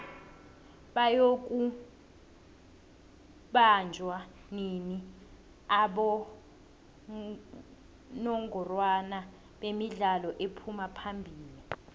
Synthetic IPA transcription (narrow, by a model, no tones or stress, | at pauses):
ɓajok̬ʼu | ɓand͡ʒʱwa | nini | aɓɔ | nɔŋʱɔrwana | ɓemiɮalɔʔepʰumapʰambʱiːli